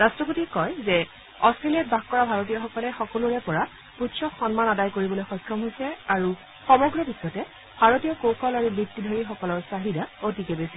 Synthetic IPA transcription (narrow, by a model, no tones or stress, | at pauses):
ɹastɹɔp̬otikɔjzɛ | ɔstɹelijat̚bakkɔɹabʱaɹotijɔxɔkɔlɛxɔkɔlʊɹɛpɔɹa | puʃʰɔkxɔnmanadajkoɹibɔlojxɔjkʰɹɔmɦojsɛaɹu | xɔmɔɡɹɔbisːɔtɛ | bʱaɹotijɔkowkɔlaɹubik̚tːidʱɔɹixɔkɔlɔɹsaɦidaotikɛbesi